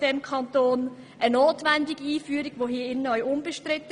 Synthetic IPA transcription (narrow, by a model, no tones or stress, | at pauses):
d̥ɛmkʰɑntoːn | ʔənoːtʋɛndɪɡiiːfyːɾiɡ̥ʋoɦiəɪnəœʏʔʊmb̥əʃtrɪt̪ːə